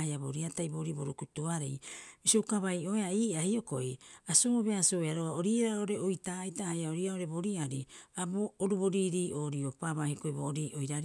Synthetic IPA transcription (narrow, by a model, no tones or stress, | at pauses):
jaboɾiatajboɾiboɾukutuaɾejmisokaβajo̞eaiːahio̞ko̰jasooβe̞asoeaɾoaoɾiːɾaoɾe̞ojtaːjtahajaoɾiaoɾe̞bo̞ɾiaɾiaboːɾuβo̞ɾiɾiːʔo̞ːɾiopaβahiko̞jboːɾiːʔojɾaɾ